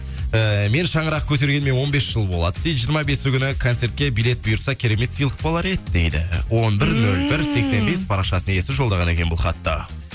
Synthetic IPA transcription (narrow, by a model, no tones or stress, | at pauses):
əme̞nʃɑɴəɾɑq̚kʲʰɵt̪e̞ɾɡʲe̞nme̞nwo̞nbe̞sʒ̥əlˠbo̞lˠɑ̰d̪əd̪et̪ʒijəɾmɑbe̞sɪkʲʰʏnɪkʰont̪se̞ɾt̪̚kʲe̞bijlʲe̞t̪̚bʊjʊɾsɑkʲʰeɾe̞me̞t̪sijlˠə̥q̚bolˠɑɾed̪ɪd̪e̞jd̪ɪ̰wo̞nbɪɾnɵlbɪɾse̞kse̞nbe̞spʰɑɾɑqʃɑsəne̞sɪʒo̞ld̪ɑʁɑne̞kʲe̞nbʊlˠχɑt̪ːɑ̰